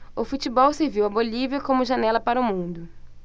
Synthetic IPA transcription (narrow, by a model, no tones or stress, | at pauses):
ʊfut͡ʃibɔwseɾviwɐboliviɐkõmʊʒanɛlɐpaɾʊmũnd̪ʊ